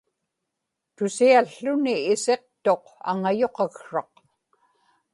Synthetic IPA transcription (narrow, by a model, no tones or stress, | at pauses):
t̪ʊsiaɬːʊniːse̞q̚t̪o̞qa̰ŋajo̞qɑɣʂɑq